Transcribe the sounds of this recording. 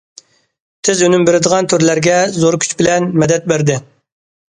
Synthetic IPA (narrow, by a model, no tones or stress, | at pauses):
t̪ʰɪzønymbeɾɪd̪əʁɑnt̪ʰyɾlæɾɡʲɛzoɾkʲʰy̥t͡ʃbɪlɛnmɛd̪ɛt̪̚bæɾd̪ɪ